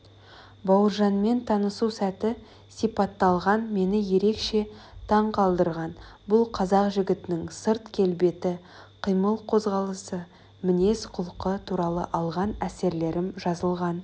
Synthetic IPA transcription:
bɑwəɾʒɑnme̞nt̪ʰɑnəsusæt̪ɪ | sijpɑt̪ːɑlˠʁɑnme̞nɪje̞ɾe̞kʃe̞t̪ʰɑɴqʰɑlˠd̪əɾʁɑnbʊlˠqʰɑzɑqʒɪɡʲɪt̪ɪnɪŋsəɾt̪kʲʰe̞lbe̞t̪ɪ | qʰijməlˠqʰo̞zʁɑlˠəsə | mɪne̞sqʰʊlˠqət̪ʰuɾɑlˠə̰ʔɑlˠʁɑnæse̞ɾle̞ɾɪmʒɑzəlˠʁɑn

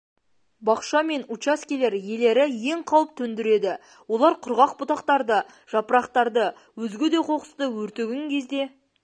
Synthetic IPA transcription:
bɑqʃɑme̞nut͡ʃaskʲile̞ɾje̞le̞ɾɪje̞ɴqʰɑwəp̚t̪ʰɵnd̪ɪɾe̞d̪ɪ | wo̞lˠɑɾqʰʊɾʁɑq̚bʊt̪ɑqt̪ɑɾd̪ə | ʒ̥ɑpəɾɑqt̪ɑɾd̪ə | wɵzɡʲed̪e̞qʰo̞qə̥st̪əwɵɾt̪eɡʲɪŋkʲʰe̞zd̪e̞

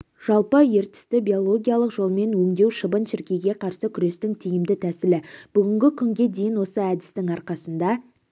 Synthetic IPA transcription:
ʒ̥ɑlˠpəje̞ɾt̪ɪ̥st̪ɪbʲijo̞lˠo̞ɡʲijalˠəqʒo̞lˠme̞nwɵŋd̪e̞wʃəbənʃɪɾkʲe̞ɡʲe̞qʰɑɾsəkʲʰʏɾe̞st̪ɪŋt̪ʰijɪmd̪ɪt̪ʰæsɪlɪb̥ʏɡʲɪŋɡʲɪkʲʰʏŋɡʲe̞d̪e̞jɪnwo̞səæd̪ɪst̪ɪŋɑɾqɑsənd̪ɑ

